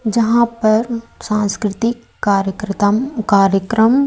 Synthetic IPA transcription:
d͡ʒɐɦãpɐɾsãːnskɾɪt̪ɪkː | aːɾjəkɾt̪mkaːɾjəkɾəm

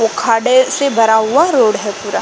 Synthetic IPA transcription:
okʰaːɽesebʱɐɾaɦuaɾoːɽɦɛpuːɾa

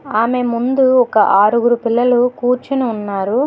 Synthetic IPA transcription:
aːme̞mund̪uɔkɐʔaːɾuɡuɾupilːɐlukuːɾt͡ʃinuːnːaːɾu

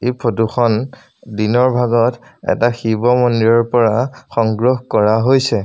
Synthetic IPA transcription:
ejpʰɹoduxɔn | dinɔɹbʱaɡɔtɛ̰taxibɔmɔndiɹɔɹpɔɹaxɔŋɡɹoɦkɔɹaɦojsɛ

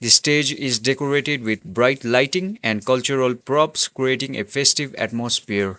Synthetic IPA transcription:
d̪isʈeːd͡ʒizɖekoɾeʈeɖʋɪd̪̚bɾaɪʈlaɪʈĩŋɛ̃nɖkʌlt͡ʃuɾəlpɾɔpskɾieʈĩŋḛfesʈiʋæ̰ʈmosfiəɾ

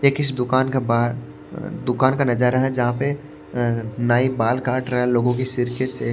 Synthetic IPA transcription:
jekɪsd̪ʊkaːnkaba | d̪ʊkaːnkanɐd͡ʒəɾaɦɛ̃d͡ʒɐɦãpe | naːibaːlkaːʈɾɐɦɛ̃loːɡõkisɪɾkɪʈse

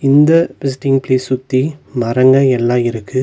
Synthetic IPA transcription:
ɪnd̪ɐpɪs̬ʈɪŋpleːsʊt̪ːimɐɾɐŋɡɐɛlːãːɪɾɯkːɯ

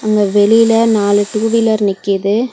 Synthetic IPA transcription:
ɐŋɡɐʋɛlɪjlɐnaːlɯʈuːʋɪlɐɾnɪkːɪðɯ

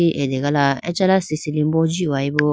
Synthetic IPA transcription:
iʔedeɡalaɛt͡ʃalasisilim̩bɔd͡ʒiaibo

